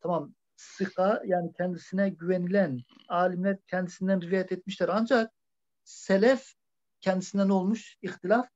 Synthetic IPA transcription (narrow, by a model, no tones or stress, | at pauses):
t̪ʰamam | sɯqʰajaːnicʰɛnd̪isinɛɟyvɛnilæn | aːlimlʲæɾcʰɛnd̪isind̪ænɾivajɛt̪ʰet̪̚miʃlæɾand͡ʒak̚ | sɛlɛf | cʰɛnd̪isind̪æno̞lˠmuʃixt̪ilaf